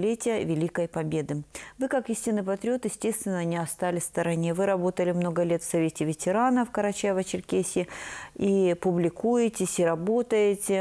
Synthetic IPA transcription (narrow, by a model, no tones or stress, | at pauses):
lʲetʲɪjəvʲɪlʲikəjpɐbʲe̞d̪ɨvɨkakisʲtʲɪnːɨpɐt̪ɾʲɪo̞t̪jɪsʲtʲe̞st̪vʲɪnːəɐnʲiɐst̪alʲɪst̪əɾɐnʲevɨɾɐbo̞t̪əlʲɪmno̞ɡəlʲet̪fsɐvʲetʲɪvʲɪtʲɪɾanəfkəɾɐt͡ɕavət͡ɕɪrkʲesʲɪipʊblʲɪkujɪtʲɪsʲɪɾɐbo̞t̪əjɪtʲɪ